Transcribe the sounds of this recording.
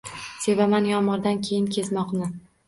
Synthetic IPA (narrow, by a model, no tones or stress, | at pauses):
se̞vamanjɒnmɒɾd̪ankʲʰe̞jɪnkʲʰe̞zmɒqnɪ